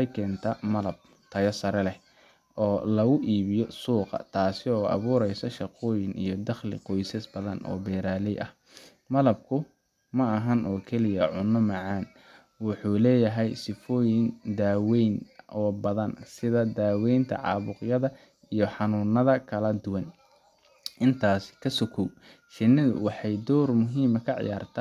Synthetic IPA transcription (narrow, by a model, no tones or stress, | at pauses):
ħɑjkʰɛːnt̪ʰɐmɐlɐb̚ | t̪ʰɐjɐsɐɾɛlɛ | ʔɔːlɐɣʊʔiːβɪjɔsuːqɑ̰t̪ʰaːsɪɔːʔɑ̰βuːɾɛjsɔʃɑqɔːjɪŋḭjɞd̪ɑχlɪ̰qɔjsɛsbɐðɐnʔɔ̰ːbɛːɾaːlɛjɐ̰h | mɐlɐb̚kʰʊ | mɐːɦɐnʔɔːkʰɛlɪjɐʕʊnːɔmɑʕɑːn | wʊħuːlɛːjɐɦɛjsɪfɔːjɪnd̪aːwɛjnʔɔːbɐðɐnsɪðɐd̪aːwɛjnt̪ʰɐ̰ʕɑ̰ːβʊqjɐðɐ | ijɔħɑnʊːnɐðɐkʰɐlɐd̪ʊwɐn | ʔɪnt̪ʰaːsɪ̥kʰɐsɔkʰuw | ʃɪnːɪðʊ̰wɑħɑjd̪ɔːrmʊɦiːmɐkʰɐʕɪ̰ja̰ːrt̪ʰaː